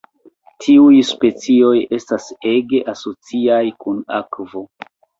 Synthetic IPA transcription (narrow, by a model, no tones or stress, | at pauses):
tʰiujspe̞t͡sio̞je̞stase̞ɡe̞ʔaso̞t͡siajkunakvo̞